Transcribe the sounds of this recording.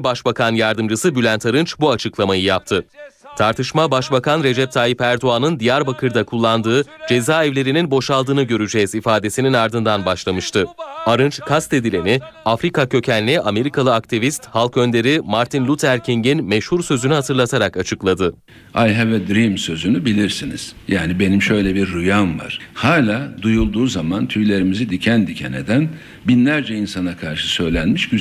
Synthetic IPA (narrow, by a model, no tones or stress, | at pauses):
baʃbakʰanjaɾd̪ɯmd͡ʒɯsɯbylʲænt̪ʰaɾɯnt͡ʃbuat͡ʃʰɯklˠamajɯjap̚t̪ʰɯt̪ʰaɾt̪ʰɯʃmabaʃbakʰanɾe̞d͡ʒɛp̚t̪ʰaːjipæɾd̪oanɯnd̪ijaɾbakʰɯɾd̪akʰulˠːand̪ɯːd͡ʒe̞zaːɛvlʲe̞ɾininbo̞ʃalˠd̪ɯːnɯɟø̞ɾyd͡ʒɛːzifaːd̪e̞sininaɾd̪ɯnd̪anbaʃlˠamɯʃt̪ʰɯaɾɯnt͡ʃkʰast̪e̞d̪ilʲe̞niafɾikacʰø̞cʰænʲlʲːiʔame̞ɾikʰalˠɯak̚t̪ʰivist̪halˠkø̞nd̪e̞ɾimaɾt̪ʰinlʲut̪ʰæɾcʰiɲɟinmeʃhuɾsø̞zynyhat̪ʰɯɾlˠat̪ʰaɾakat͡ʃʰɯklˠad̪ɯ | ajɦavɛd̪ɾimsø̞zynybilʲiɾsinḭz̥jaːnibe̞nimʃø̞jlʲɛbiɾːujanva̰ɾ̥haːlʲaːd̪ujulˠd̪uːzamant̪ʰyjlʲe̞ɾimizid̪icʰænd̪icʰenḛd̪æn | binlʲæɾd͡ʒɛinsanakʰaɾʃɯ̥sø̞jlʲænmiʃɟy